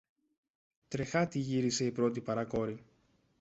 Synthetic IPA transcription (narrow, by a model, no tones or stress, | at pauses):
t̪ɾe̞xɐt̪iʝiɾise̞ipɾo̞t̪̬ipɐɾɐko̞ɾi